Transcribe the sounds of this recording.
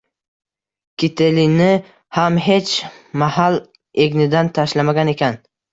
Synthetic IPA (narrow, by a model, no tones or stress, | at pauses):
kʲʰit̪ʰelinɪ | hamɦe̞t͡ʃmahal | eɡʲnɪd̪ant̪ʰaʃlamaɡʲane̞kʲʰan